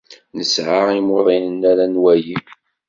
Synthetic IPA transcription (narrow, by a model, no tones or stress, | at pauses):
nəsʕaʁimoðˤinənːæɾænwæji